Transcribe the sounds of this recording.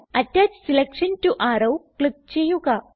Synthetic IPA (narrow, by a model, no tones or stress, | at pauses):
ɐtːat͡ɕsilekʂɐntuʔaːɾɐwklik̚t͡ɕejːuɣɐ